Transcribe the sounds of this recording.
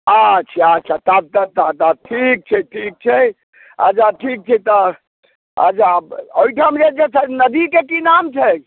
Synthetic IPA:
at͡ʃʰat͡ʃʰat̪ab̚t̪at̪at̪aʈʰik̚t͡ʃʰɛʈʰik̚t͡ʃʰɛ | a̰t͡ʃʰaʈʰik̚t͡ʃʰɛt̪ɔ | a̰t͡ʃʰabojʈʰamd͡ʒet͡ʃesnəd̪ikekinamt͡ʃʰɛ

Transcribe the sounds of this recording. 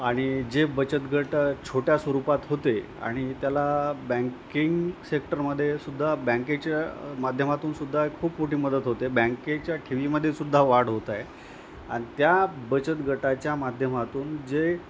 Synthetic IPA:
aɽ̃id͡ʑebət͡ɕət̪ɡʱəʈt͡ɕʰoʈjasʋəɾupat̪ɦot̪e | a̰ɽ̃it̪jalabɛ̃ŋkiŋɡsekʈəɾməd̪ʱːjesud̪ʱːabɛ̃ŋket͡ɕjamad̪ʱjəmat̪uːnsud̪ʱːaekkʰuːpmoʈiːməd̪ət̪ɦot̪ebə̃ŋket͡ɕjaʈʰiʋiməd̪ʱːjesud̪ʱːaʋaɽɦot̪aj | a̰ɽ̃it̪jabət͡ɕət̪ɡʱəʈat͡ɕjamad̪ʱjəmat̪uːnd͡ʑe

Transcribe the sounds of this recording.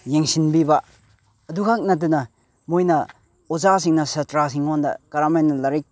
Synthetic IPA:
jeŋsinbibɐ | ɐdukʰak̚nɐt̬unɐ | mojnɐ | ɔzas̬iŋnɐsɐtɾas̬iŋandɐ̰kaɾamajnɐlaɾik̚

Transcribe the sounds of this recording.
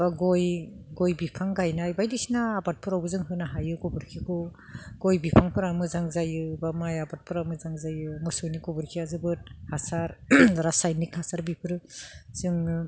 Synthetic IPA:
baɡojɡojbipʰaŋɡajnajbajdisinaːbat̚pʰuɾawbɯzɯŋɦɯnaɦajɯɡɔbɯɾkʰikʰɯ | ɡ̥ojbipʰaŋpʰɯɾamɯzaŋzajɯbamajabat̚pʰuɾamɯzaŋzajɯmɔsoniɡɔbɯɾkʰiazɯbɯt̚hasaɾɾasajnikhasaɾbipʰɯɾɯz̥ɯŋ

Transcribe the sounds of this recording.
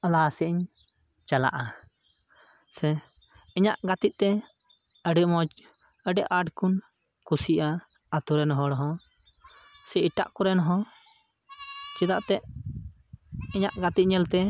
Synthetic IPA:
alasɛʔɲ | t͡ʃala̰ʔa | sɛ | ɛɲaʔɡat̪it̪̚ˀt̪ɛ | əɖiʔmɔt͡ʃ | əɖɛʔaʈkun | kusiʔa | at̪uɾɛnɦɔɽɔɦɔ̃ | sɛiʈa̰ʔkɔɾɛnɔɦɔ̃ | t͡ʃɛd̪aʔt̪ɛʔ | ɛɲaʔɡat̪it̪̚ɲɛlt̪ɛ

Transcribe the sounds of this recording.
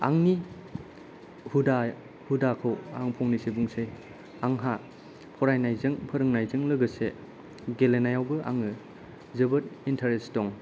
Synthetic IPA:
a̰ŋni | huda | hudakʰɯwa̰ŋpʰɔŋnisebuŋsej | aŋɦa | pʰɔɾajnajzɯŋpʰɐɾɯŋnajzɯŋlɯɡɯse | ɡelenajawbɯʔa̰ŋɯ | zɯbɐt̚intʰeɾestɔŋ

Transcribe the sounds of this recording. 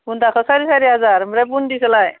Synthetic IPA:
pund̪akʰəsaɾiːsaɾiad͡zaɾmɾap̬und̪islaj

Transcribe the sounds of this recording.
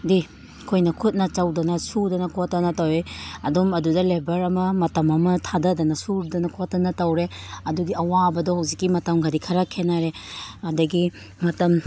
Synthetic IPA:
di | kʰojnɐkʰut̚nɐt͡ʃɐwdɐnɐsuɾdɐnɐkʰotːɐnɐtɐwɾeɐdumɐdudɐlebɐɾɐmɐmɐtɐmɐmɐtʰadɐdɐnɐsuɾdɐnɐkʰotːɐnɐtɐwɾeɐduɡiɐwabɐdɔhawzikːimɐtɐmɡadikʰɐɾɐkʰenaɾeɐdɐɡi | mɐtɐm

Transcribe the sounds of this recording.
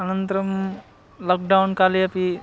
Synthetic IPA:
ɐnɐnt̪ɾɐm | lɔːk̚ɖawnkaːliɐpi

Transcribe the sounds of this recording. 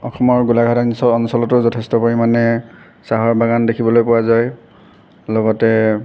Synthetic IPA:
ɔxɔmɔɹɡulaɡʱatansɔɔnsɔlɔtʊzɔtʰɛstɔpoɹimanɛ | saɦɔɹbaɡandekʰibɔlojpʊwazaj | lɔɡɔtɛ

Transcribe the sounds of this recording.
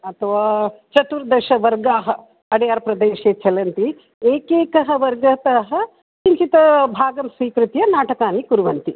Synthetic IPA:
ɐt̪ʰɐʋaːt͡ʃɐt̪uɾd̪ɐʃɐʋɐɾɡaːɦɐ̆ | ɐɽijaːɾɐpɾɐd̪eːʃeːt͡ʃɐlɐnt̪i | eːkeːkɐɦɐ̆ʋɐɾɡɐt̪aɦɐ̆ | t͡ʃiɲt͡ʃit̪ɐbʱaːɡɐmsʋiːkɾut̪jɐnaːʈɐkaːnikuɾʋɐnt̪i

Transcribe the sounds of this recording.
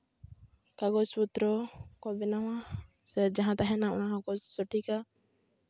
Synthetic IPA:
kaɡɔt͡ʃput̪ɾɔkɔbɛnaw̃a | sɛd͡ʒaɦãt̪aɦɛnaɔ̰naɦãkɔsɔʈʰika

